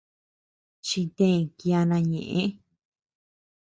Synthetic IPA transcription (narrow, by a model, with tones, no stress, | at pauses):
t͡ʃi˧t̪ẽ˦˧˨ki˧a˧nã˧ɲḛ̃˨ʔẽ˦